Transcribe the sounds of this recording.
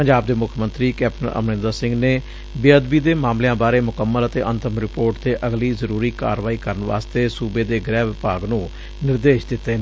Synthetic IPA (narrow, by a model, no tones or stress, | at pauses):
pəɲd͡ʒaːb̚d̪eːmʊkʰmənt̪ɾiːkɛːp̚ʈənʔə̰mnɪ̃nd̪əsɪ̃ŋɡneː | bɪəd̪biːd̪eːmaːmlejãːbaːɾeːmʊkəmːələt̪eːʔənt̪əmɾɪpoːɾʈt̪eːʔəɡliːzəɾuːɾiːka̰ːɾʋaːiːkəɾənʋa̰ːst̪eːsuːbeːd̪eːɡɾɛːʋɪpaːɡnũː | nɪɾd̪eːʃd̪ɪt̪ːeː